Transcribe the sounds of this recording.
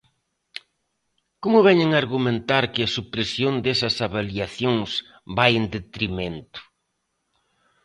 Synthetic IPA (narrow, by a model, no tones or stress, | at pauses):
komʊβɛɲeŋaɾɣumẽnt̪aɾkɪɐsupɾesjond̪esɐsaβaliaθjoŋs | bajend̪et̪ɾimẽnt̪ʊ̥